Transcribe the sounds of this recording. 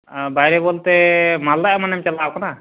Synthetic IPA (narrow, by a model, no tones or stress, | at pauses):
bajɾɛbolt̪ɛmald̪aʔmanɛmt͡ʃalawkana